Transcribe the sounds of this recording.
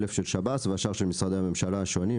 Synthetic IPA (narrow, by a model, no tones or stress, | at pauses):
lefʃelʃabat̪veaʃaʁʃelmisʁad̪ehame̞mʃalaaʃoni